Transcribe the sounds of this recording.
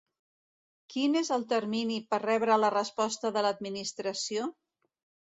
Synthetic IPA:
kinezəlˠt̪əɾminipərɛβɾələrəspɔst̪əðələd̪̚minist̪ɾəsio

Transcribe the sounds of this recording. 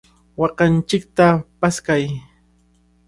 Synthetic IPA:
wɑqɑnt͡ʃɪk̚t̪apaskaj

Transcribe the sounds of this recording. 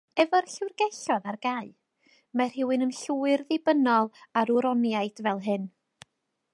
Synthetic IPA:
ɛvɔrɬɪwrɡɛɬɔðarɡaɨ | mar̥ɪwɨnəmɬuːɨrðɪbənɔlˠaɾuɾɔnjaɨdvɛlˠɦɨn

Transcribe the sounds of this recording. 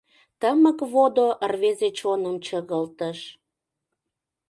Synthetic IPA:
t̪əməkβod̪oʔərβezet͡ɕonəmt͡ɕəɣəlt̪əʃ

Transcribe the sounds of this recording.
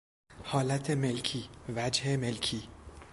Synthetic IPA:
hɒːlæt̪ʰemelkʰiːvæd͡ʒhemelkʰiː

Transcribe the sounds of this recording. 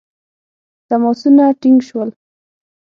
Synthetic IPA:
t̪amɔsunaʈɪŋɡʃwəl

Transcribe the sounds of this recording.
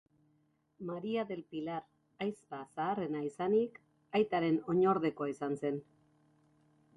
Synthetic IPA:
maɾiaðe̞lpilaɾ | ajspasaːre̞naisanik | ajt̪aɾe̞no̞ɲo̞ɾðe̞ko̞aisanse̞n

